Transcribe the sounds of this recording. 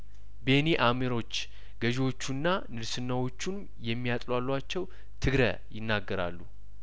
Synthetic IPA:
be̞niʔameɾo̞t͡ʃː | ɡ̥əʒwo̞t͡ʃːunːanɨɾsɨnːawo̞t͡ʃːun | jɛmːijat̪ʼlwalːuat͡ʃːɛw | t̪ʰɨɡɾə̰ | jɪnːaɡːəɾa̰lːu

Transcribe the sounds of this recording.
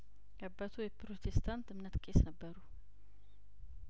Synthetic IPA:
ʔʼəbːət̪ʰujɛpɾot̪ʰest̪ʰant̪ɨmnət̪kʼesnəbːəɾu

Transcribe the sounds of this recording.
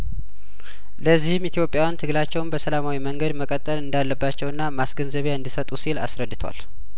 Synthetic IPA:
ləzːihɨmit̪ʰijo̞pʼjawant̪ʰɨɡlat͡ʃːɛwnbəsəlamawiməŋɡəd̪məkʼət̪ʼːəlɨnd̪alːəbːat͡ʃːɛwɨnːamasɡənzəβjaɨnd̪isət̪ʼusila̰sɾəd̪ːɨt̪ʰwa̰l

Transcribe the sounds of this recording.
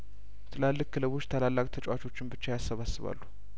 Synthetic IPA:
t̪ʰɨlalːɨkːɨlɨβo̞t͡ʃːt̪ʰəlalːakʼt̪ʰət͡ʃʼwat͡ʃʰo̞t͡ʃːɪnbɨt͡ʃːajasːəβasːɨβa̰lːu̥

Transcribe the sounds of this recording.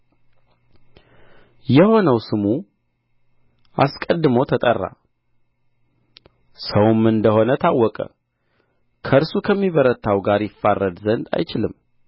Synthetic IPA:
jɛho̞nəwsɨmu | ʔaskʼəd̪ːɨməwt̪ʰət̪ʼərːa̰ | səwmɨnd̪əho̞nət̪ʰawːɔkʼə̰ | kʰəɨɾsukʰəmːiβəɾət̪ʰːawɡaɾjɪfːarːəd̪zənd̪a̰jt͡ʃɪlɨmː

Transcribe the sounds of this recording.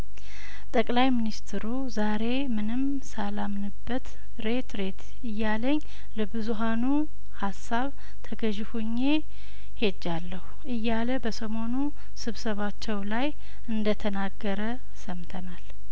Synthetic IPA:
t̪ʼəkʼlajminist̪ʰɾu | zaɾe̞mɨnɨm | salamnɨbːət̪ | ɾe̞t̪ɾe̞t̪ʰ | ɨjːaləɲː | ləbɨzuɦanu | hasːaβ | t̪ʰəɡəʒɪhuɲːe | he̞d͡ʒːalːəhuʔɨjːaləbəsəmo̞nu | sɨβsəβat͡ʃːɛwlaj | ʔɨnd̪ət̪ʰənaɡːəɾə | səmt̪ʰənal

